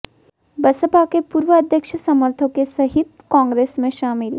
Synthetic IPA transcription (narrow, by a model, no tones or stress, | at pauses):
bɐsəpakepuːɾʋəɐd̪ʱjəkʃəsɐməɾt̪ʰõkesɐɦɪt̪̚kãːŋɡɾeːsmẽʃaːmɪl